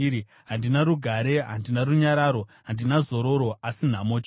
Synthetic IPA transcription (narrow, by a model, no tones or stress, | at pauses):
ɾi | ɦandinaɾuɡʱaɾe̞ɦa̰ndinaruɲaɾaːɾo̞ɦandinazo̞ɾo̞ɾo̞asin̤amoːt͡ʃ